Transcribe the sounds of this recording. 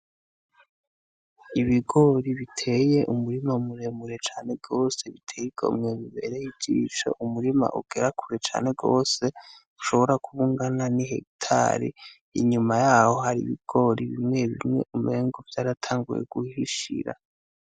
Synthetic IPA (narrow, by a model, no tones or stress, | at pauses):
iβiɡo̞ɾiβitʰe̞je̞ʔumuɾimaumuɾe̞muɾet͡ʃaːne̞ɡo̞ːse̞βitʰeːjiɡo̞̰mŋeβiβe̞̰ɾejid͡ʒiːt͡ʃo̰ʔumuɾima̰ʔuɡ̥e̞ɾakʰuɾet͡ʃa̰ːne̞ɡoːse̞ | uʃo̞βo̞ɾakuβuŋɡananiɦḛktʰa̰ɾḭ | ḭɲumajaːho̞haɾḭβiɡ̥o̞ɾiβimŋe̞βḭmŋe̞̰ʔumeːŋɡovjaːɾatʰaːŋɡṵjḛɡ̥uhiʃḭɾa̰